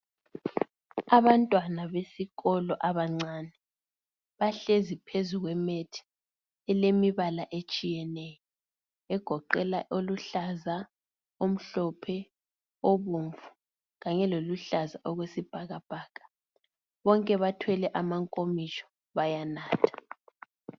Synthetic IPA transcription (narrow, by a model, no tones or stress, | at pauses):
aβantʼwanaβesiɣɔlɔʔaβaŋ͡ǀaːnɛ | βaɬezipʰezuɣwɛmetʰi̥ | ɛlemiβalaʔet͡ʃʼijɛnɛjɔ | ɛɡ̥ʱɔǃɛlaʔoluɬaza | om̩ɬɔpʰɛ | oβuɱvu̥ | ɣaɲɛloluɬazaʔɔɣwesib̥ʱaɣab̥ʱaːkʰʼḁ | βɔŋkʼɛβatʰwɛlɛʔamaŋkʼomit͡ʃʼɔ̥ | βajanaːtʰḁ